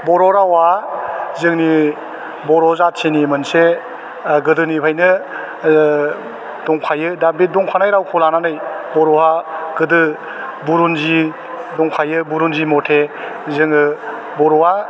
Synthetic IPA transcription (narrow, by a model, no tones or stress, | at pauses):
bɔɾɔɾawa | zɯŋni | bɔɾɔzatsʰinimɯnse | ɡɯdɯnipʰajnɯ | d̥ɔŋpʰajɯdabit̚dɔŋkʰanajɾawkʰɔlananɯjbɔɾɔaɡ̥ɯdɯ | buɾunzi | dɔŋpʰajɯbuɾunzimɔtʰe | zɯŋɯ | bɔɾɔa